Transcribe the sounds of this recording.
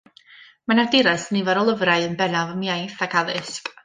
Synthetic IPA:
manadɪɾasnivaɾɔlˠəvraɨənbɛnavɔmjajθaɡaðɨspʼ

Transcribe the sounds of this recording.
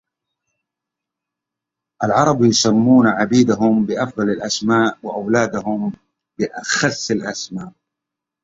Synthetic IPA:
ʔalʕɑɾˤɑbjʊsamːuːnaʕabiːd̪aɦʊmbɪʔɑfðˤɑlɪlʔasmaːʔwɪʔawlaːd̪aɦʊm | bɪʔaxasːɪlʔasmaːʔ

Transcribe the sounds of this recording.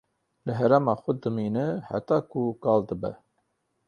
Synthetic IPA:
lɨɦɛɾɛmɑːxʊd̪ɨmiːnɨħæ̰t̪ɑːkukɑːld̪ɨbɛ̰

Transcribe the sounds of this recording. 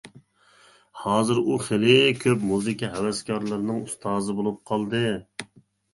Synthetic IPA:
hɑːzɨɾuχelɪkʲʰøpmuzɨkʲiɦɛwɛskʰɑɾlˠɨɾnɨŋust̪ʰɑːzɨbolˠup̚qʰɑlˠd̪ɨ

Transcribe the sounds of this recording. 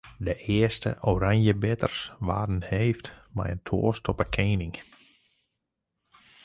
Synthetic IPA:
dəʔɪəstə̰ʔoɾaŋjəbɪtə̰rsʋa̰ːdn̩heːftmɛ̰jəntʰo̰ːstɔpəkʰeːnɪŋ

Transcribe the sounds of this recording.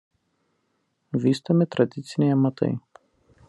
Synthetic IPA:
ʋʲiːst̪omʲɪt̪ɾɐd̪ʲɪt̪sʲɪnʲɛjmɐt̪ɐ̰ɪ

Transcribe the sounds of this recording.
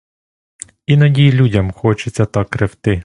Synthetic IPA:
inɐdʲijlʲudʲɐmxɔt͡ʃɪt͡sʲːɐt̪ɑkːɾewt̪ɪ

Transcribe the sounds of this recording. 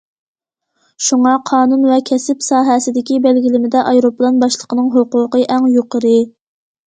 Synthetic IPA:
ʃuŋɑqʰɑːnunvɛkʲʰɛsɪpsɑːɦɛsɪd̪ɪkʲibælɡʲilɪmɪd̪ɛʔɑjɾoplˠɑnbɑʃlˠə̥qənɨŋɦoqʊqəʔæŋjoqəɾɨ

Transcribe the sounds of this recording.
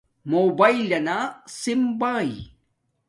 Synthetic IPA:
moːbɐilɐnasimbaːḭ

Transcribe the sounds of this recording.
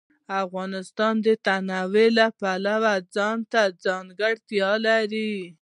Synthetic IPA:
afɣɑnɪst̪ɑnd̪ət̪anɑwelapalawad͡zɑnt̪ad͡zɑŋɡaɽt̪jɑlaɾi

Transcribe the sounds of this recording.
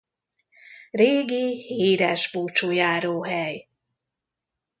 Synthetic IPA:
reːɡiheːɾɛʒbuːt͡ʃujaːɾoːɦɛj

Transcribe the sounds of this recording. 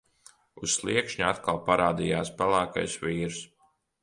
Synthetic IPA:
usslˠiɛkʃɲat̪kalˠpaɾaːd̪ijaːspalˠæːka̰jsʋiːɾs

